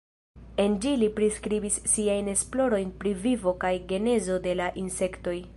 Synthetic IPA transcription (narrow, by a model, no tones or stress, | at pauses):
e̞nd͡ʒilipɾiskɾibisːiajne̞splo̞ɾo̞jnpɾivivo̞kajɡe̞ne̞zo̞de̞laʔinse̞kto̞j